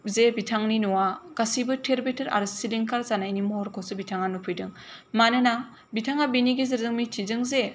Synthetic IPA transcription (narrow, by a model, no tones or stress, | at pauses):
zebitʰaŋninuwaɡ̥asibɯtʰeɾbetʰeɾa̰ɾɯsiliŋkʰaɾzanajnimɔɦɔɾkʰɔsɯbitʰaŋanupʰɯjdɯŋmanɯna | bitʰaŋabiniɡizeɾzɯŋmitʰizɯŋze